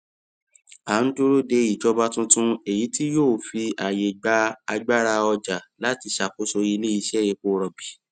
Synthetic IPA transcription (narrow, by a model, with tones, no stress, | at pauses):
a˨˦n̩˦to˦ɾo˦de˧i˨d͡ʒɔ˧ba˧tũ˧tũ˧e˨ji˨˦ti˦joː˦˨fi˧ʔa˨je˨ɡ͡ba˧˦a˧ɡ͡ba˦ɾa˧ɔ˧d͡ʒa˨la˨˦ti˧ʃa˨ko˨˦so˧i˧le˦i˧ʃɛ˦˨ɾe˧k͡po˧ɾɔ˨bi˨˦